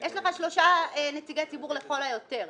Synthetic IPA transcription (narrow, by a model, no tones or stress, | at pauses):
jeʃleχaʃlo̞ʃaenetiɡet͡sibuʁleχo̞lajot̪e̞ʁ